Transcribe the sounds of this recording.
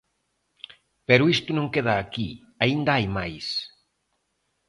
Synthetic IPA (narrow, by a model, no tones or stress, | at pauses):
pɛɾʊist̪ʊnõŋkeð̞aːki | aind̪ɐajmajs